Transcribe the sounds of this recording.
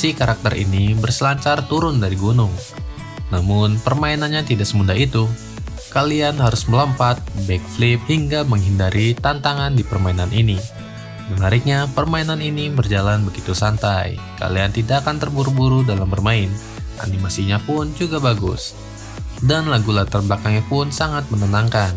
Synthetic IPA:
sikaɾak̚t̪ərḭnibərsəlaɲt͡ʃart̪uɾʊndaɾiɡunʊŋ | namʊnpərmainanɲat̪idaʔsəmundait̪u | kalianɦaɾʊsmələmpat̪̚bɛk̚flip̚hiŋɡaməŋɦindaɾʔit̪ant̪aŋandipərmainanʔini | məŋaɾɪk̚ɲapərmainaninibərd͡ʒalanbəɡit̪usant̪aj | ka̰liant̪idaʔːkant̪ərbuɾubuɾudalambərmaɪn | ʔa̰nimasiɲapʊnd͡ʒuɡabaɡʊ̰s | danlaɡulat̪arblakaŋɲapʊnsaŋat̪̚mənənaŋkan

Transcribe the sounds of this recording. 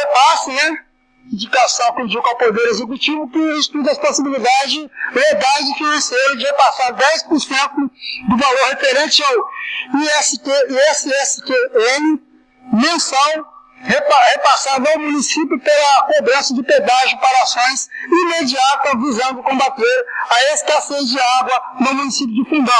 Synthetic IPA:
epasɐnɛ | ĩd͡ʒikasɐ̃w̃kũd͡ʒukawpod̪eɾezekut͡ʃivʊkɪ̃ist̪ud̪̬ɐsposibilid̪ad͡ʒɪzd͡ʒɪled̪ad͡ʒɪfinɐ̃sejɾɐd͡ʒɪhepasaɾd̪ɛjspʊɾsẽnt̪ʊd̪ʊvaloɾhefeɾẽt͡ʃɪawiɛsteɛsɪɛsɪkeẽnɪ | mẽsɐ̃w̃ | hephepasad̪ʊawmũnisipjʊpaɾɐkobɾɐ̃sɐd͡ʒɪped̪aʒɪpaɾɐasõj̃simed͡ʒiat̪ɐvizɐ̃nd̪ʊkõbat̪eɾaeskasezd͡ʒɪaɡwɐnʊmũnisip̬jʊd͡ʒ̪ɪfũd̪ã

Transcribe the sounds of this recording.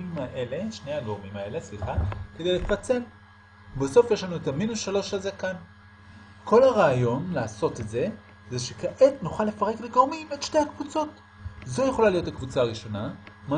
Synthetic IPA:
imaʔele̞ʃne̞jaɡoʁmimae̞le̞sliχake̞dejlefat͡se̞l | beso̞fjeʃlanuetaminusʃalo̞ʃazekan | kʰo̞laʁaːjo̞nlaːso̞te̞tze̞ | zeʃekaʔetnuχale̞faʁe̞kleɡoʁmimetʃtehakvut͡so̞t | zo̞je̞χo̞lalijo̞takvut͡saːʁiʃo̞nama

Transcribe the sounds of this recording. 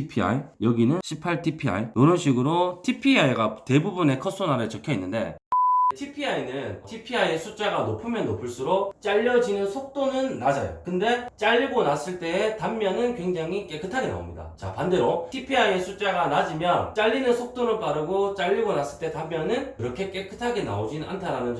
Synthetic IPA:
pʰia̰ijʌɡinɯnɕʰipʰaɭtʰipʰia̰ijoɾʌnɕʰiɡɯɾotʰipʰiaiɡate̞bubune̞kʰʌs͈ʰonaɾɯt͡ɕʌkʰjʌinːɯnde̞̰tʰipʰiainɯntʰipʰiaje̞sʰut͡ɕ͈aɡanopʰɯmjʌnːopʰɯɭs͈uɾok̚t͡ɕ͈aʎːʌd͡ʑinɯnsʰok̚t͈onɯnːad͡ʑajo̰kɯnde̞t͡ɕ͈aʎːiɡonas͈ɯɭt͈e̞ːtamːjʌnɯnkwe̞ŋd͡ʑaŋik͈e̞k͈ʰɯtʰaɡena̰o̰mɲida̰t͡ɕa̰pande̞ɾotʰipʰiajesʰut͡ɕ͈aɡanad͡ʑimjʌnt͡ɕ͈aʎːinɯnsʰok̚t͈onɯɭp͈aɾɯɡot͡ɕ͈aʎːiɡonas͈ɯɭt͈e̞tamːjʌnɯnkɯɾʌkʰe̞k͈e̞kʰɯ̥tʰaɡena̰od͡ʑinnantʰaɾanɯn

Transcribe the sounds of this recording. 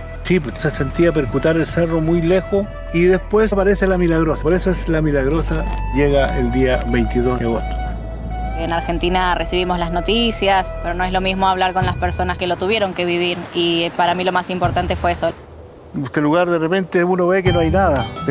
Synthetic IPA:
sipsesent̪iapeɾkut̪aɾelseromujlexo | iðespwespaɾeselamilaɣɾosapoɾesoeslamilaɣɾosaʝeɣaʔeld̪iaβejnt̪iðoeot̪o̥ | enaɾxe̞nt̪inaresiβ̞imozlaznot̪isjaspeɾono̞ezlo̞mizmoaβlaɾko̞nlaspeɾso̞naskelot̪uβje̞ɾo̞ŋkeβiβiɾipaɾamilo̞masimpo̞ɾt̪ant̪efweeso | ust̪eluɣaɾðerepent̪eunoβekenoajnaða

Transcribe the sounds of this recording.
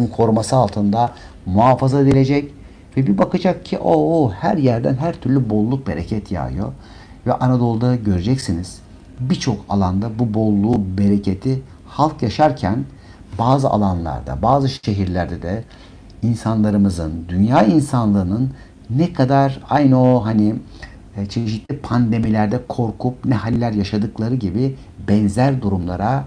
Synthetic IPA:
inkʰo̞ɾumasɯalˠt̪ʰɯnd̪a | muɦaːfazad̪elʲed͡ʒɛc | vɛbibakad͡ʒak̚cʰiʔoohæɾjæɾd̪ænɦæɾt̪ʰyɾlʲybolˠːuk̚be̞̰ɾecʰɛt̪ʰja̰jo̞̰ | vɛʔanad̪o̞lˠud̪aɟø̞ɾe̞d͡ʒɛcsiniz̥ | bit͡ʃʰo̞kʰa̰lˠand̪abubolˠːuːbe̞ɾecʰe̞t̪ʰi | halˠkjaʃaɾcʰæn | baːzɯa̰lˠanlˠa̰ɾd̪a̰baːzɯʃe̞ɦiɾlʲæɾd̪ɛd̪ɛ | insanlˠaɾɯmɯzɯnd̪ynjaːinsanlˠɯːnɯnː | ɛkʰad̪aɾajnoɦani | t͡ʃʰe̞ʃit̪lʲipʰand̪e̞milʲæɾd̪ɛkʰo̞ɾkʰup̚nɛhalʲːæɾjaʃad̪ɯklˠaɾɯɟibi | bɛnzæɾd̪uɾumlˠaɾa

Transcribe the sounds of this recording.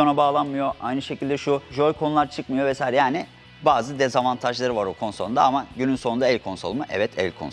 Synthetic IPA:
onabaːlˠanmɯjo̞ʔajnɯʃe̞cʰilʲd̪ɛʃuʒolʲkʰo̞nulˠaɾt͡ʃʰɯkmɯjo̞vɛsaːjiɾɛjaːnɪ | baːzɯd̪ɛzavant̪ʰaʒlˠaɾɯvaɾukʰo̞nsound̪aamaɟynynsound̪aɛlʲkʰo̞nso̞lˠmɯʔɛ̰vɛt̪ʰɛ̰lʲkʰons

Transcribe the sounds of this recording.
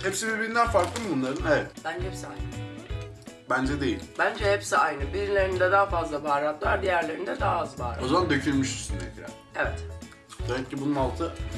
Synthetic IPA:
hepsibibiɾind̪ænfaɾklˠɯmbunlˠaɾɯnevɛt̪b̥ænd͡ʒɛhɛpsia̰jnɯ | bænd͡ʒɛd̪e̞jilbænd͡ʒɛhepsiajnɯbiɾlʲe̞ɾind̪ɛd̪aːfazlˠabaːɾat̪lˠaɾd̪ijæɾlʲeɾind̪ɛd̪aːazba̰ːɾao̞zamand̪øcʰylmyʃist̪ynɛcɾæ̰ɾ | evɛt̪ | d̪ɛcːibununalˠt̪ʰɯ

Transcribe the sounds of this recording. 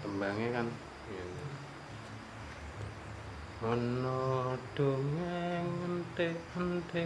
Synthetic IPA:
t̪əmbaŋekan | jan | ɔnɔd̥oŋeŋənt̪eənt̪e

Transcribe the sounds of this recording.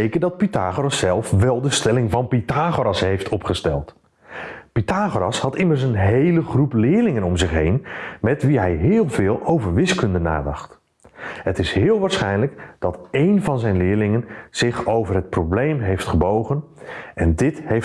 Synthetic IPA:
ejkəndɑt̚pitaːχorɑsɛlˠfʋɛlˠdəstɛlɪŋvɑnpitaːχoɾɑsɦejftʰɔpχəstɛlˠt | pitaːχoɾɑshɑtɪməɹs̬ənɦejləχruplɪːɹlɪŋənɔmzɪχɦejnmɛtʋiɦɛjɦɪːlˠvɪːlˠʔowvəɹʋɪskɵndəna̰ːdɑχt | ɦətɪsɦɪːlˠʋaːɹsχɛjnləkd̥ɑtejnvɑnzɛjnlɪːɹlɪŋənz̥ɪχowvərɦət̚problejmɦejftχəbowχən | ʔɛndɪthejf

